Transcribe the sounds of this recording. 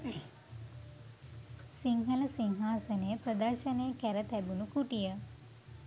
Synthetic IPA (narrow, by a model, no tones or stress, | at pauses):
siŋɦɐləsiŋɦaːsənejəpɾəd̪əɾʃɐnejəkæɾət̪æbunukuʈijə